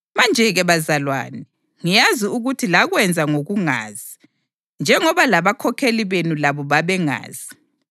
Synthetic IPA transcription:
mand͡ʒʱɛɣɛβazalwa̰ːnɛ | ŋijaziuɣutʰilaɣwɛnd͡zʱaŋoɣuŋa̰ːzi | nd͡ʒʱɛŋɔβalaβakʰɔkʰeliβenulaβɔβaβɛŋa̰ːz̥i

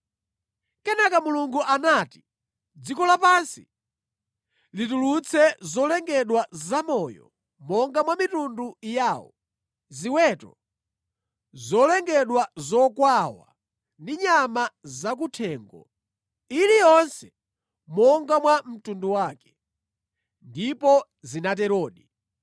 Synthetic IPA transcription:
kɛnakamuluŋɡuʔanati̥ | d͡zikɔlapansi̥ | litulut͡sʰɛzɔlɛŋɡɛɗwazamɔːjɔ̰ | mɔŋɡamwamitundujaːwɔ̰ | ziwɛtɔ | zɔlɛŋɡɛɗwazɔkwawa̰ | ndiɲamazak̬utʰɛːŋɡɔ̰ | ilijɔnsɛ | mɔŋɡamwam̩tunduwakɛ̥ | ndipɔ | zinatɛɾɔːɗi

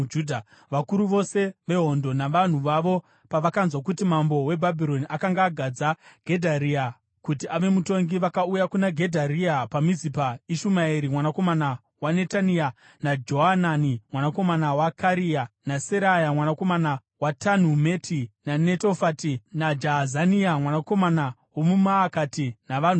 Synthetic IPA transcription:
udʱa | ʋakuɾuʋo̞se̞ʋe̞ɦo̞ndo̞naʋan̤uʋaʋo̞ | paʋakanzwakutimambo̞we̞bʱabʱiɾo̞niʔakaŋɡaːɡʱad͡zaɡ̥ʱe̞dʱaɾia | kutiʔaʋe̞muto̞ŋɡiʋakaujakunaɡʱe̞dʱaɾiapamizipaiʃumaeɾimwanako̞mana | wane̞tania | nad͡ʒo̞ɦananimwanako̞manawakaɾianaseɾajamwanako̞mana | watʰan̤ume̞tʰinane̞tofatinad͡ʒaɦazaniamwanako̞manawomumaːkatinaʋan̤u

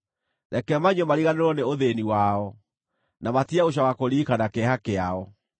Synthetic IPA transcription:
ðɛkɛmaɲɔmaɾiɣaneɾwɔneoðeniwaɔ | namatiaoɕ̬awakoɾiːkanakɛhakeaɔ

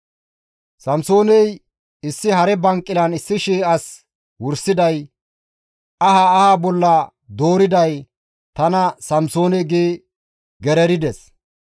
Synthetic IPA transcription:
sɐmso̞ːnɛj | ɪsːɪhɐɾɛbɐŋkʼːɪlɐnɪsːɪʃeːʔɐs | wʊɾsɪd̪ɐj | ɐhaːhaːbɔlːɐ | d̪o̞ːɾɪd̪ɐj | t̪ɐnɐsɐmso̞ːnɛɡeː | ɡɛɾɛɾɪd̪ɛs

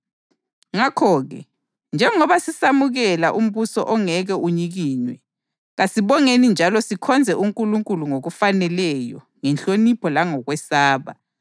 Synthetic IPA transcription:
ŋakʰɔɣɛ̰ | nd͡ʒʱɛŋɔβasisamuɣɛlaʔum̩βusɔ̰ʔɔŋɛɣɛʔuɲiɣiːnwɛ̰ | ɣasiβɔŋenind͡ʒʱalɔsikʰɔnd͡zʱɛʔuŋkʼuluŋkʼuluŋoɣufanɛlɛjɔ̰ | ŋɛnt͡ɬʼonipʰɔlaŋɔɣwɛsaːβa̰

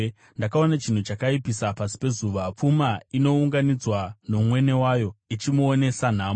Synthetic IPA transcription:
ndakao̞nat͡ʃin̤ut͡ʃakaipisapasi̥pe̞zuʋap͡fumaino̞uŋɡanid͡zwanomwe̞ne̞wajo̞it͡ʃimuone̞san̤aːm

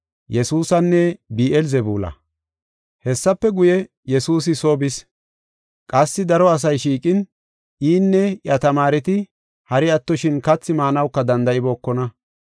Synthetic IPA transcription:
jɛsuːsɐnːɛbiːʔɛlzɛbṵːlɐ̰ | hɛsːɐpːɛɡʊjɛ | jɛsuːs̬ɪso̞ːbɪs | kʼɐsːɪd̪ɐɾɔɐs̬ɐjʃiːkʼɪn | iːnːɛjɐt̪ɐmaːɾɛt̪ɪ | hɐɾɪɐt̪ːɔʃɪnkɐt͡sːɪmaːnɐwkːɐd̪ɐnd̪ɐɪbo̞ːkːɔnɐ

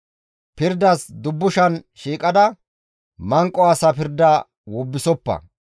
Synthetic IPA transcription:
pɪɾd̪ɐsd̪ʊbːʊʃɐnʃiːkʼɐd̪ɐ | mɐŋkʼːɔɐsɐpɪɾd̪ɐ | wɔbːɪsɔpːɐ̰

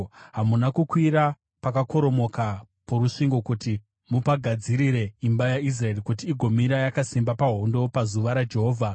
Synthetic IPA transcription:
ɦamunakukwiɾa | pakako̞ɾo̞mo̞ka | poɾuʂiŋɡo̞kuti | mupaɡʱad͡ziɾiɾe̞imbajais̬rae̞rikutiːɡʱo̞miɾajakasimbapaɦo̞ndo̞pazuʋaɾad͡ʒe̞ɦo̞ːvʱa

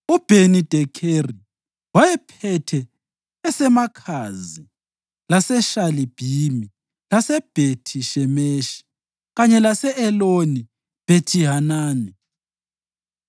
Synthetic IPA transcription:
ub̥ʱenid̥ʱɛkʰeri | wajɛpʰɛtʰɛː | sɛmakʰazi | lasɛʃalib̥ʱimi | lasɛb̥ʱetʰiʃɛmeːʃi̥ | ɣaɲɛlasɛʔɛloni | b̥ʱetʰiɦanaːni

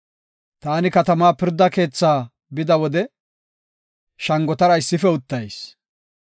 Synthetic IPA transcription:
t̪aːnɪkɐt̪ɐmaːpɪɾd̪ːɐke̞ːt͡sːaː | bɪd̪ɐwɔd̪ɛ | ʃɐŋɡɔt̪ɐɾɐɪsːɪfɛʊt̪ːɐjs

